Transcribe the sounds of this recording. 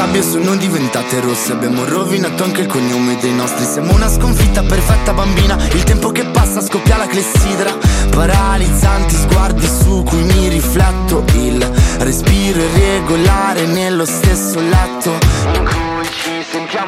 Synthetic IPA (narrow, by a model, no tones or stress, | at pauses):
abjosonːond̪ivent̪aːt̪eɾosːeabːjaːmorovinat̪ːoaŋkeilkoɲːoːmed̪ejnɔst̪ɾisjaːmounaskoɱfit̪ːaperfɛt̪ːabambiːnailt̪ɛmpokepːasːaːskopːjaːlaklesːiːd̪ɾapaɾalid̪zant̪izɡward̪isukujmiriflɛt̪ːoilrespiːɾoerːeɡolaːɾenelːost̪esːolat̪ːo